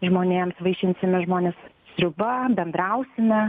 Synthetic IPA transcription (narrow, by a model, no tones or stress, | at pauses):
ʒmoːnʲeːmsʋɐɪʃʲɪnʲsʲɪmʲɪʒmoːnʲeːs | sʲɾʲʊbɐbʲɛnd̪ɾɐʊsʲɪmʲɛ